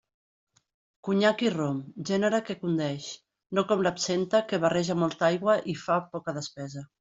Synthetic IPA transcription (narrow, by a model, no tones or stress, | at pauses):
kuɲakiromʒɛnəɾəkekund̪ɛʃ | nokɔmlapsent̪əkəβarɛʒamɔlˠt̪ajɣwəʔifapɔkəðəspɛzə